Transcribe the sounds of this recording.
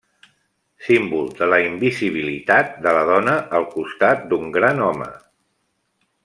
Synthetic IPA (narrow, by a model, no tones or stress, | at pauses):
simbulˠd̪ələimbiziβ̞ilit̪at̪̚d̪ələð̞ɔnəʔəlˠkust̪at̪̚d̪uŋɡɾanɔmə̰